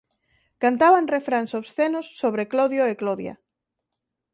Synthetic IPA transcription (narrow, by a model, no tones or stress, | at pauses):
kant̪aβanrefɾansoβsθenosːoβɾekloðjoekloðja̰